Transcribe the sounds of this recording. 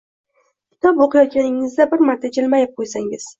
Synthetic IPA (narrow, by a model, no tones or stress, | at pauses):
kʲʰɪ̥t̪ʰɒpoqʰɨjɒt̪̚kʲanɪŋɪzd̪abɪɾmaɾt̪ʰad͡ʒɪlmajap̚qʰojsaŋɪz̥